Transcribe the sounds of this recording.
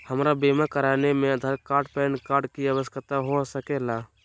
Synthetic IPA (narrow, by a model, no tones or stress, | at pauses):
həmɾabeːmakəɾaːnemẽɐd̪ʱəɾkaːɾɖpɛːnkaːɾɖkiəʋəskət̪aɦosəkelaː